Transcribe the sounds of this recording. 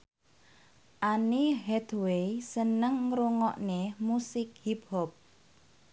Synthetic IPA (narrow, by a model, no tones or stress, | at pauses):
ʔaniɦɛd̪wesənəŋːɾuŋɔʔnemusɪk̚hiphɔp̚